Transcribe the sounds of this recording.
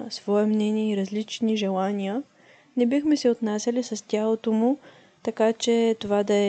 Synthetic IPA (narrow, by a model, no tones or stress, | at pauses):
svɔɛmnɛnʲiɛiɾɐzlit͡ʃniʒɛlˠanʲiə | nɛbixmɛsɛot̪nasʲəlʲisɐstʲalˠot̪omʊ | t̪ɐkat͡ʃɛt̪ovad̪ɐɛ